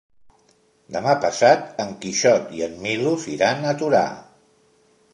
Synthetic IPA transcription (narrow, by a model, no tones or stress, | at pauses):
d̪əmapəsat̪əŋkiʃɔt̪iəmːiluziɾanət̪uɾa̰